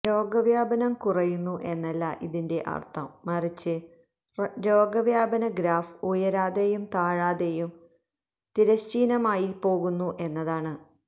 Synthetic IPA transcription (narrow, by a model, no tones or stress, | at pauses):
ɾo̞ːɡɐʋjaːbɐnɐmkurɐjunːuʔe̞nːɐlːɐʔiðinde̞ʔɐ̰rt̪ʰɐmːɐrit͡ɕːɨ | ɾo̞ːɡɐʋjaːbɐnɐɡɾaːfujɐɾaːðejumt̪aːɻaːðejum | t̪iɾɐɕt͡ɕiːnɐmaːjipo̞ːɣunːuʔe̞nːɐðaːɳɨ